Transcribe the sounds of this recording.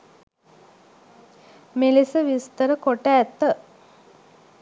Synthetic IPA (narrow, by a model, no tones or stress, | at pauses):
melisəʋist̪əɾəkoʈæːt̪ːə